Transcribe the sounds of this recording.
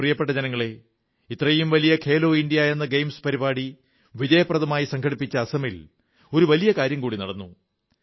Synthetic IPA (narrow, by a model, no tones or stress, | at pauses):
rijɐpːeʈːɐd͡ʑɐnɐŋːɐɭe̞ | it̪ːrɐjumʋɐlijɐkʰe̞ːlo̞ːindijajenːɐɡejmspɐɾibaːɽi | ʋid͡ʑɐjɐprɐðɐmaːjisɐŋkʰɐɽipːit͡ɕːɐːsɐmil | o̞ɾuʋɐlijɐkaːɾjɐmkuːɽinɐɽɐnːu